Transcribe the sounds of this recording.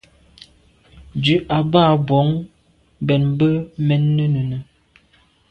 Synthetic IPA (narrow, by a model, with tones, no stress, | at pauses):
dʉ˨˦ʔa˨baː˦˨bwɔ˨˦ŋ | bɛ˨nbə˦mɛ˨˦nːə˦nə˨nə˨